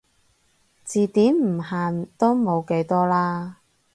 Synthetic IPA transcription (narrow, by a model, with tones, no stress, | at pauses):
t͡siː˨t̪iː˨˥mm̩˨˩haː˨nt̪o˥wmo˨˧wke˨˥jt̪ɔː˥laː˥